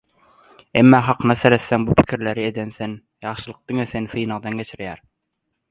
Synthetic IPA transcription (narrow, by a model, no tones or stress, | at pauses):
emːɑːɦɑqʰnɑseɾɛsːæŋbupʰɪ̥kʲʰiɾlæɾɪed̪ænsɛn | jɑχʃɯlˠɤq̚d̪ɪŋɛsenɪsɨjnɑʁd̪ɑnɡʲet͡ʃʰɪɾjæɾ